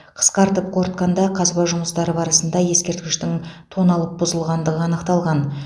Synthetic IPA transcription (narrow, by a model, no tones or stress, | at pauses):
qʰə̥sqɑɾt̪əp̚qʰo̞ɾt̪qɑnd̪ɑqʰɑzbɑʒʊməst̪ɑɾəbɑɾəsənd̪ɑje̞skʲe̞ɾt̪̚kʲɪʃt̪ɪŋt̪ʰo̞nɑlˠəp̚bʊzəlˠʁɑnd̪əʁəɑnəqt̪ɑlˠʁɑn